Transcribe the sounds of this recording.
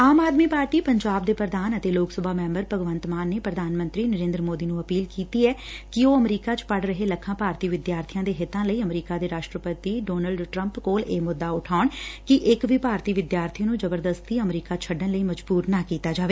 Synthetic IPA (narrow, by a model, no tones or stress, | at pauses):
aːmaːd̪miːpaːɾʈiːpəɲd͡ʒaːb̚d̪eːpɾəd̪aːnət̪eːloːksəbʱaːmɛ̃ːmbəɾpəɡʋə̃nt̪maːnːeːpɾəd̪ʱaːnmə̃nt̪ɾiːnəɾẽːnd̪ɾəmoːd̪iːnũːəpiːlkiːt̪iːɛːkɪoːəmɾiːkaːt͡ʃpəɽɾəɦeːləkʰːãːpaːɾt̪iːʋɪd̪jaːɾt̪ʰijãːd̪eːɦɪt̪ãːləiːəmɾiːkaːd̪eːɾaːʃʈɾəpət̪iːɖoːnəlɖʈɾəmpkoːleːmʊd̪ːaːʊʈʰaːɳkɪʔɪkʋiːpaːɾt̪iːʋɪd̪jaːɾt̪ʰinũːzəbəɾd̪əst̪iːəmɾiːkaːt͡ʃʰəɖənləiːməd͡ʒbuːɾnaːkiːt̪aːd͡ʒaːʋeː